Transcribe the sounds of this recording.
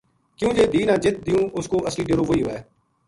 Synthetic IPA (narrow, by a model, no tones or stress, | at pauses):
kɪjũːd͡ʒeːd̪iːnãːd͡ʒɪt̪̚d̪ɪjũːʔʊskoːʔəsliːɖəɾoːɦoːiːɦoɛː